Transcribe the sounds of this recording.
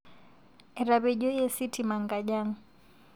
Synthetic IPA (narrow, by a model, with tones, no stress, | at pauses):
ɛ˨ɾa˨be˨ɟo˦je˦si˦tʰi˨ma˨ŋɡa˨ɟa˦ŋ̩˦